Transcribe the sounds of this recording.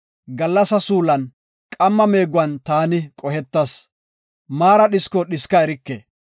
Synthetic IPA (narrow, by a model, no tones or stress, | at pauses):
ɡɐlːɐsɐsuːlɐn | kʼɐmːɐme̞ːɡʊwɐnt̪aːnɪkʼɔhɛt̪ːɐs | maːɾɐɗɪskɔɗɪskɐɛɾɪkːḛ